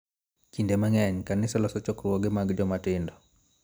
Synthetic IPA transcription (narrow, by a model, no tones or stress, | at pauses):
t͡ʃindɛmaŋaɲkanɪsɔlɔsɔt͡ʃɔkɾwɔɡɪmaɡd͡ʒɔmatɪndɔ